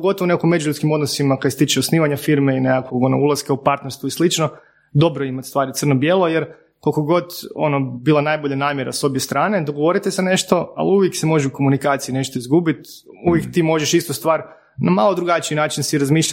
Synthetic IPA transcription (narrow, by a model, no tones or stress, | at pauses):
ɡo̞t̪oʋoneakimːe̞d͡ʒuʎud̪skimod̪nosimakad̪set̪it͡ʃɛosniːʋaɲafiɾmeineakoɡo̞no̰ulˠaskaupaɾt̪neɾst̪ʋuislit͡ʃno | d̪o̞bɾoimat̪st̪ʋaːɾit̪sər̩nobjeːlˠojeɾ | kolkoɡo̞d̪onobilˠanaːjboʎanaːmjeɾaso̞bjest̪ɾaːne̞d̪oɡoʋo̞ɾit̪esene̞ʃt̪o̞a̰liuʋjeksemo̞ʒeuko̞munikaːt̪sijine̞ʃt̪o̞izɡubit̪ | uʋjekt̪imo̞ʒeʃist̪ost̪ʋaːɾ | namalˠo̞d̪ɾuɡat͡ʃiinaːt͡ʃinsiɾazmiːʃa